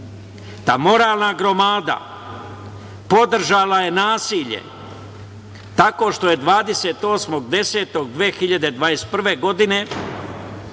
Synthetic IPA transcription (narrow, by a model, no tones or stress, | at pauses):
t̪a̰ːmo̞ɾaːlˠnaɡɾo̞maːd̪a̰ | po̞d̪r̩ʒalaje̞naːsiʎḛ | t̪ako̞ːʃt̪o̞je̞d̪ʋaːd̪eset̪o̞ːsmo̞ɡd̪e̞se̞ːt̪o̞ɡ̚d̪ʋeːxiʎad̪ed̪ʋaːjest̪̚pr̩ʋe̞ɡo̞d̪ine̞